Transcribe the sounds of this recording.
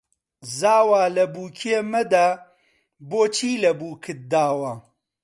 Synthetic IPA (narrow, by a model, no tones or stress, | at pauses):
zaːwaːlɐbuːkʰeːmɐd̪aː | boːt͡ʃʰiːlɐbuːkʰɨt̚d̪aːwa